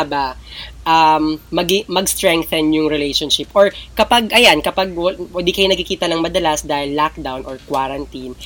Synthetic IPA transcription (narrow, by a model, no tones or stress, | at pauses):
abaʔɐmːɐɡɪmɐɡst̪ɹɛŋk̚θɛnjʊŋɹɛlejʃonʃɪpʔɔɹkɐpaɡʔɐjankɐpaɡ̚wwɛd̪ikɐjonɐɡ̚kɪkiːt̪ɐnɐŋmɐd̪ɐlɐsd̪aːhɪlːak̚d̪awnʔɔɹkwaɾɐnt̪in